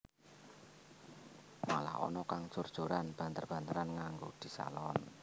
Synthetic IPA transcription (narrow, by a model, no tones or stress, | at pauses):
ma̰la̰hɔ̰nɔkaŋ̥ʒ̥ord̥ʒ̥o̤ɾanb̥a̤nt̪ərb̥a̤nt̪əɾanŋaŋɡod̪̥i̤sa̰lɔn